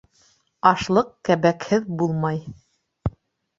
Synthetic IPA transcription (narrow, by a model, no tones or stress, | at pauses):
ɑʃlˠɤqkæβækhɘðbulˠmɑj